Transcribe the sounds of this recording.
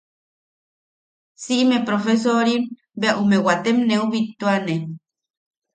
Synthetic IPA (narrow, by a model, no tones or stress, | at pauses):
siʔmepɾofes̬oɾim | beaʔumewat̪emneuβit̪ːuane